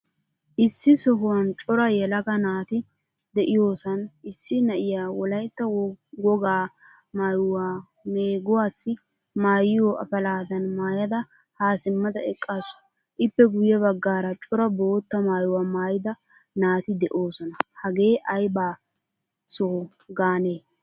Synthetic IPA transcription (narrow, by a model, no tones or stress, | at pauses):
ʔɪsːɪsɔɦʊwɐnt͡ʃʼɔɾɐjɛlɐɡɐnaːt̪ɪ | d̪ɛʔɪjo̞ːsɐnʔɪsːɪnɐʔɪjaːwɔlɐjt̪ːɐwɔwɔɡaː | maːjʊwaː | me̞ːɡʊwaːsːɪ | maːjɪjoːʔɐ̰fɐlaːd̪ɐnmaːjɐd̪ɐ | haːsɪmːɐd̪ɐɛkʼːasʊ̥ | ʔɪpːɛɡʊjːɛbɐɡːaːɾɐt͡ʃʼɔɾɐbo̞ːt̪ːɐmaːjʊwaːmaːjɪd̪ɐ | naːt̪ɪd̪ɛʔo̞ːsɔnɐhɐɡe̞ːʔɐjbaː | sɔhʊ | ɡaːne̞ː